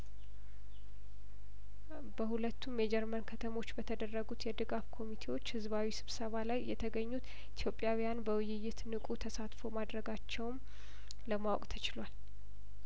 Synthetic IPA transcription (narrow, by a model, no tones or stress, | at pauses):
bəhulət̪ʰːumjɛd͡ʒɛɾmənkʰət̪ʰəmo̞t͡ʃːbət̪ʰəd̪ərːəɡut̪jɛd̪ɨɡafkʰo̞mit̪ʰe̞wo̞t͡ʃːhɨzβawisɨβsəβalajːɛt̪ʰəɡəɲːut̪ | it̪ʰjo̞pʼːjawijanbəwʊjɪjːɪt̪nɨkʼut̪ʰəsat̪fo̞mad̪ɾəɡat͡ʃːɛwn | ləmawɔ̰kʼt̪ʰət͡ʃɪlwal